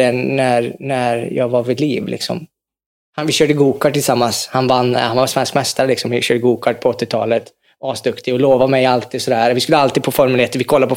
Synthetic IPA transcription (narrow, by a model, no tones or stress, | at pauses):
ɛnæɾnæɾjɑ̰ːɡvaɾvɪd̪liːvlɪ̰ksɔ̰m | hanvɪɕøːɖəɡuːkaʈʰɪlsamːanshanvanːhanvasvɛnskmɛst̪aɾlɪksɔmvɪɕøːɖəɡuːkʰaʈ̚pʰɔɔt̪ːɪt̪ʰɑ̰ːlət̪ | ɑːsd̪ɵkt̪ɪɔloːvamɛjalt̪ʰiːd̪sɔd̪æːɾvɪskɵlːəalt̪iːd̪fʰɔfɔɾmɛleːt̪əɾvɪkʰɔlːapʰɔ